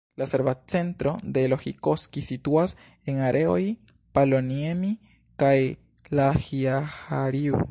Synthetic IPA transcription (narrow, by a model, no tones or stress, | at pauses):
laseɾvat͡se̞ntɾo̞de̞lo̞xiko̞skisituas | enaɾʔe̞o̞j | paloniemi | kaj | lahiahaɾiu